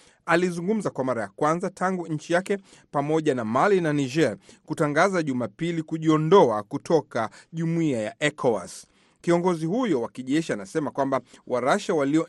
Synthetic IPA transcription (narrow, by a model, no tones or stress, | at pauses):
alizuŋɡum̩zakwamaɾajakwanzatʰaŋɡuɲ̩t͡ʃijakɛ | pamɔʄanamalinaniʒɛkutaŋɡazaʄumapilikuʄiɔndɔakutʰɔkaʄumuiajaʔɛkʰɔwa̰s | kiɔŋɡɔzihujɔwakiʄɛʃianasɛmakwambawʔaɾaʃawaliɔ